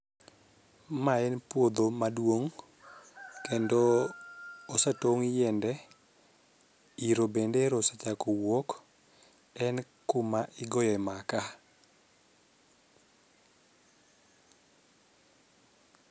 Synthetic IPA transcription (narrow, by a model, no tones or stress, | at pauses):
maɛnpwod̪omadwoŋ | kendoː | satoŋjɛndɛ | iɾobendeɾosat͡ʃakowɔk | ɛn | kʊmaʔɪɡɔjɔɛmaka